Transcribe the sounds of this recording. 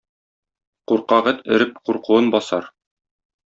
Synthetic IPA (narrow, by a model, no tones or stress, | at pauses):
quɾqɑʁɘt̪ɘ̆ɾɘp̚quɾquɤnbɒsɑ̰ɾ